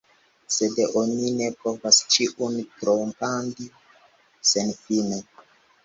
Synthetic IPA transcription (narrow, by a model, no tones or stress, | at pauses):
se̞deʔonine̞po̞vast͡ʃiʔuntɾompandi | senfine